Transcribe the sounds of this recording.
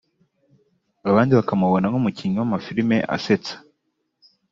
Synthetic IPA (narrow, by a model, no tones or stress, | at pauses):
aβaːndiβakamuβo̞naŋumuciɲuwamafiɾime̞ʔa̰se̞t͡sḁ